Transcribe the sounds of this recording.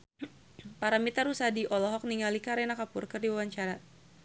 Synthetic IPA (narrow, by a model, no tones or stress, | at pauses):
paɾamit̪aɾusadiʔɔlɔɦɔk̚niŋalikaɾɛnakapʊrkɨrdiwawaɲt͡ʃaɾa